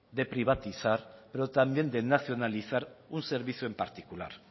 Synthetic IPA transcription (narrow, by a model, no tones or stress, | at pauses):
d̪e̞pɾiβ̞at̪iθaɾpeɾot̪ambje̞nd̪enaθjo̞naliθaɾunseɾβ̞iθjue̞mpaɾt̪ikula̰ɾ